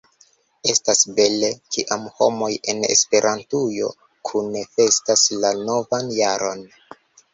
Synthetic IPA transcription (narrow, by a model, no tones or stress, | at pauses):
e̞stasbe̞le̞kiʔamho̞̰mo̞je̞ne̞̰spe̞ɾʔantujo̞ | kʰunefe̞staslano̞vanjaɾo̞n